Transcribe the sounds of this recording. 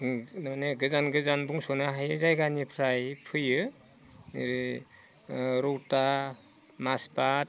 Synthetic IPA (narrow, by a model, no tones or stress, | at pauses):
nmaneɡɯzanɡɯzanbuŋsɔnaɦajɯzajɡanipʰɾajpʰɯjɯ | ɾi | ɾɔwta | masbat̚